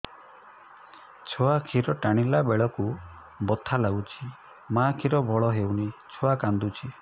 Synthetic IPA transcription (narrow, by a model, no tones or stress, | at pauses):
t͡ʃʰɔakʰiɾɔʈaɽ̃ilabeɭɔku | bɔt̪ʰalaɡut͡ʃʰi | makʰiɾɔbʱɔɭɔɦewnit͡ʃʰoakand̪ut͡ʃʰi